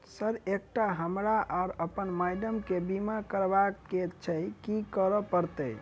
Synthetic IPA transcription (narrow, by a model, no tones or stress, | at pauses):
səɾek̚ʈaɦəmɾaʔaɾəpənmajɖəmkebimakəɾbakːet͡ʃʰəjkikəɾɔpəɾt̪əj